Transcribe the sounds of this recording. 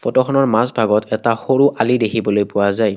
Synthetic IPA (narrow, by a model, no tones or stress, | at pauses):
fʰɔtɔxʰɔnɔɹmasbʱaɡɔtʰɛtaxoɹuʔalidekʰibɔlojpʊwazaj